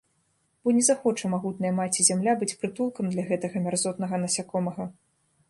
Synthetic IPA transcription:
b̥ɔnʲɛzaxɔt͡ʂɐmaɣut̪̚nɐjɐmat͡sʲizʲamlʲabɨt͡sʲpɾɨt̪ulˠkɐmd̪lʲaɣɛt̪ɐɣɐmʲarzɔt̪nɐɣɐnɐsʲakɔmɐɣɐ

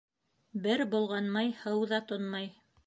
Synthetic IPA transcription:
bɘɾbŏlˠʁɑnmɑjhɤwðɑt̪onmɑj

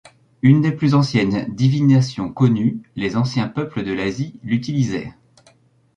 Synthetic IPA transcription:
ynd̪eplyzɑ̃sjɛnd̪ivinasjɔ̃kɔnylezɑ̃sjɛ̃pœpləd̪əlazilyt̪ilizɛ̰

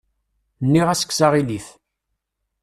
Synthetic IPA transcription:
nːiʁæsə̥kːsaʁiliθ

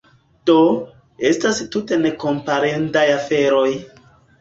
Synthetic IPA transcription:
d̥o̞ | e̞stastute̞ne̞ko̞mpaɾendajafe̞ɾo̞j

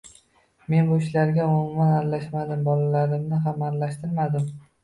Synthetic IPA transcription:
me̞nbʊɪʃlaɾɡʲaʊmʊmananlaʃmad̪ɪmbɒlalaɾɪmnɪɦamaɾlaʃt̪ɪɾmad̪ɪm

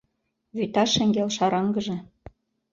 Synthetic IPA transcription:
βyt̪ɑʃɘ̆ŋɡelʃɑɾɑŋɡɤ̆ʒĕ

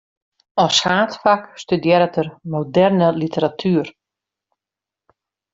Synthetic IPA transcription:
ɔsxaːtfakstydjɛɾətərmodɛrnəlitəɾatʰyər

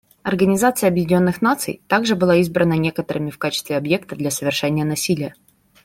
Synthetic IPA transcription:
ɐrɡənʲɪzat̪sɨjəɐbjɪdʲnʲo̞nːɨxn̪at̪sɨ̰jt̪aɡʐɨbɨlˠaizbɾənənʲe̞kət̪əɾɨmʲɪfkat͡ɕɪst̪vʲɪɐbje̞k̚t̪əd̪lʲasəvʲɪrʂɛnʲɪjənɐsʲilʲɪjə

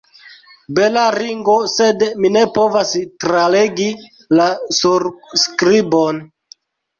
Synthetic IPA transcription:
belaɾiŋɡose̞dminepo̞vastɾale̞ɡi | lasuɾskɾibon

